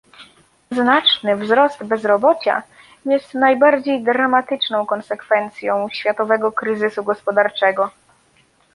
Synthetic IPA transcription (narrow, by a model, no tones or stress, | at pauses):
znat͡ʂnɘvzɾɔst̪bɛzɾɔbɔt͡ɕa̰ | jɛst̪najbaɾd͡ʑejd̪ɾamat̪ɘt͡ʂnɔ̃w̃kɔnsɛkfɛnt̪sʲjɔ̃w̃ɕfʲjat̪ɔvɛɡɔkɾɘzɘsuɡɔspɔd̪aɾt͡ʂɛɡɔ